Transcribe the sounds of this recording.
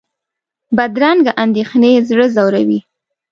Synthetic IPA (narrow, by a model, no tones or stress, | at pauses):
bad̪ɾaŋɡaʔand̪exnezɽəzawɾawi